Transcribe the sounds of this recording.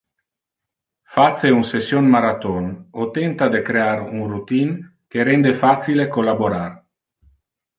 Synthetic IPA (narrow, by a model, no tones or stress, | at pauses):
fat̪seunsesjonmaɾat̪onot̪ent̪ad̪ekɾeaɾunrut̪in | keɾend̪efat̪silekolaboɾar